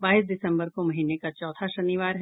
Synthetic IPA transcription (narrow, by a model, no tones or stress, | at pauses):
baːisd̪ɪsə̃mbəɾkomɐɦiːnekat͡ʃɔːt̪ʰaʃɐnɪʋaːɾɦ